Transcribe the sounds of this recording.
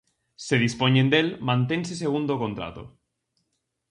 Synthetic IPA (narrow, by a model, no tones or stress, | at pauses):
seðispoɲẽnd̪elmãnt̪enseseɣ̞und̪okõnt̪ɾa̰t̪o̰